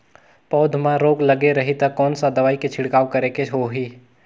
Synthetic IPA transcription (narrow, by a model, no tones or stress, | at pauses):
pɔːd̪ʱmãɾoːɡləɡeɾɐɦit̪ɐkːɔːnsad̪ɐʋaːiket͡ʃʰɪɽkaːʋkɐɾekeɦoɦiː